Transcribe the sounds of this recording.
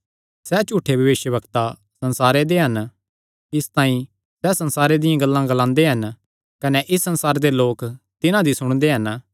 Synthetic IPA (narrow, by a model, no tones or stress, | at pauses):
sɛt͡ʃuːʈʰebʱɐʋeːʃjəʋɐkt̪a | sɐ̃nsaːɾed̪eɦɐn | ɪst̪ãːĩ | sɛsɐ̃nsaːɾed̪ɪjãɡɐlːãɡɐlãːnd̪eɦɐn | kɐnɛʔɪsːɐ̃nsaːɾed̪eloːk | t̪ɪnãd̪isʊɽ̃d̪eɦɐn